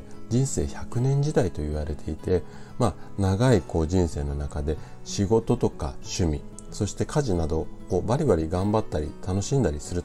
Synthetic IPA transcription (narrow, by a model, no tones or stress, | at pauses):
d͡ʑĩɰ̃se̞ːçakɯ̟nẽ̞ɲ̟d͡ʑid̪ait̪o̞iβ̞aɾe̞t̪ʰe̞it̪e̞manaɡaiko̞ːʑĩɰ̃se̞ːno̞nakad̪e̞ɕiɡo̞t̪o̞t̪o̞ka̰ɕɨmʲi | so̞ɕi̥t̪e̞kʰaʑinad̪o̞ko̞ːbaɾʲibaɾʲiɡãmbat̪ːaɾʲit̪ano̞ɕĩnd̪aɾʲisɨɾɯ̟t̪